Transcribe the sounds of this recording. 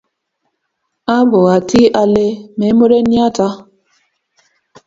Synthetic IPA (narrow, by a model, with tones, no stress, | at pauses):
a˦bʊ˨ɣa˨ti˦a˨le˦me˨˦mo˦ɾe˦ni˦a˦ta˦